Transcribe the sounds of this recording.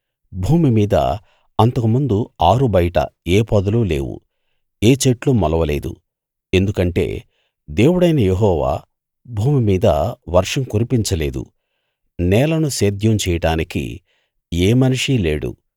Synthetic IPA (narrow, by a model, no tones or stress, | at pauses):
bʱuːmimiːd̪ɐ̰ | ɐnt̪ɐkumund̪uaːɾubɐjʈɐ̰eːpɐd̪ɐlule̞̰ːʋṵ | eːt͡ʃeʈlumɐlɐʋɐle̞ːd̪ṵ | e̞nd̪ukɐɳʈe̞̰ː | d̪e̞ːwuɽɐjnɐjeɦɔːʋa̰ː | bʱuːmimiːd̪ɐʋɐɾʂɐmkuɾipiɲt͡ʃɐle̞ːd̪ṵ | nɛːlɐnuseːd̪ʱjɐmt͡ʃɛːjɐɽaːnikḭ | eːmɐniʂile̞ːɽṵ